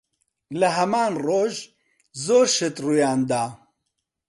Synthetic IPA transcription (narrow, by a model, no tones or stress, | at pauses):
ləɦɛmaːnroːʒ | zoːɾʃət̪ruːjaːnd̪aː